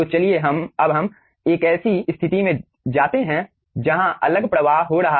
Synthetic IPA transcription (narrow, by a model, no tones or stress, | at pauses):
ot͡ʃɐlieɦɐmɐbɦɐm | eːkɛːsist̪ʰɪt̪imẽ | d͡ʒaːt̪eɦɛ̃ | d͡ʒɐɦãʔɐ̰ləɡpɾɐʋaːɦɦoɾɐɦa